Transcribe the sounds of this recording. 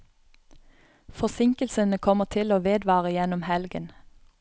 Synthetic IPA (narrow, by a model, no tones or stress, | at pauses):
fɔsɪŋkəlsənəkʰɔməʁt̪ʰɪloːʋeːd̪ʋɑːʁəjɛnʊmhɛlɡən